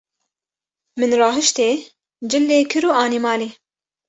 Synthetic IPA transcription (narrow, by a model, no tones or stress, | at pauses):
mɨnrɑːɦɨʃt̪eː | d͡ʒɪlːeːkʰɨɾuːʔɑːnimɑːleː